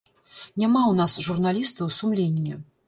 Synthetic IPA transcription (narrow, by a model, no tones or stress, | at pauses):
nʲamawnasʐurnalʲist̪ɐwsumlʲenʲːɛ